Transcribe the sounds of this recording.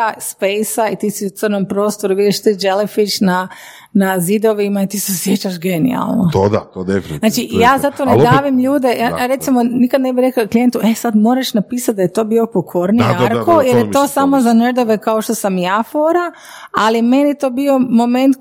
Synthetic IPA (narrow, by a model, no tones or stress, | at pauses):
aspejsait̪iːsiut̪sɨrnompɾo̞ːst̪o̞ɾuʋid̪iʃt̪iːd͡ʒelefit͡ʃna | nazid̪o̞ʋimait̪iːseosje̞t͡ɕaʃɡe̞nḭa̰lˠnot̪od̪a̰t̪od̪efininaːt͡ʃijaːzat̪ooned̪aʋimʎuːd̪e̞jajaɾe̞t̪simo̞nikad̪ne̞biɾekaklije̞nt̪uʔesad̪mo̞ːɾaʃnapiːsat̪̚d̪ajet̪o̞ːbio̞pokʰo̞ɾniaɾkojeɾjet̪o̞ːsamo̞zaned̪o̞ʋe̞kaoʃt̪o̞samijaːfoɾa | alime̞nit̪o̞ːbio̞mo̞ment̪